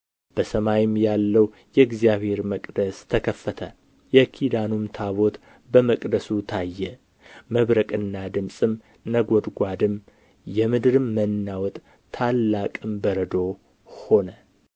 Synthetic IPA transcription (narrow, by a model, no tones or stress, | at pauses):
b̥əsəmajɪmjalːəw | jɛɪɡzijaβhe̞ɾməkʼd̪əst̪ʰəkʰəfːət̪ʰə | jɛkʰid̪anumt̪ʰaβo̞t̪ | bəməkʼd̪əsut̪ʰajːɛ | məβɾəkʼɨnːad̪ɨmsʼɨm | nəɡod̪ɡʷad̪ɨm | jɛmɨd̪ɾɨmːənːawɔt̪ʼ | t̪ʰːalːakʼɨmbəɾəd̪o̞ | ho̞nə